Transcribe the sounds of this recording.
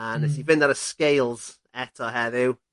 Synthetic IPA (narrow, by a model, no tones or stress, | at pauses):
anɛs̬ivɪnaɾəskejlˠz̥ | ɛtʰɔɦɛðɪw